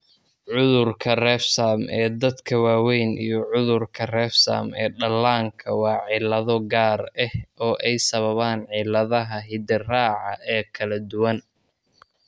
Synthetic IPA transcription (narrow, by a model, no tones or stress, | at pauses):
ʕʊðʊrkʰɐrɛːfsaːmɛːd̪ɐd̪kʰɐwaːwɛjnḭjɞʕʊðʊrkʰɐrɛːfsa̰ːmɛːɖɐlaːŋkʰɐwɑːʕɪlɐðɔɡaːrɛhʔɔːʔɛjsɐβɐβaːnʕɪlɐðɐɦɐɦɪd̪ɪraːʕɑʔɛːkʰɐlɐd̪ʊwɐn